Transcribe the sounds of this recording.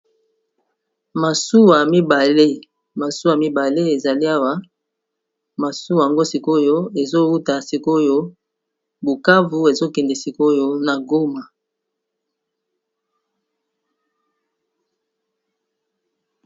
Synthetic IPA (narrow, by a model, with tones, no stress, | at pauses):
ma˨su˦wa˨mi˦ba˨le˦ | ma˨su˦wa˨mi˦ba˨le˦e˨za˨li˦a˦wa˦ | ma˨su˦wa˨a˨ŋɡo˦si˨ko˦jo˦e˨zo˦wu˦ta˨si˨ko˦jo˦ | bu˨ka˦vu˨e˨zo˦kɛ˨ndɛ˨si˨ko˦jo˦na˨ɡo˦ma˨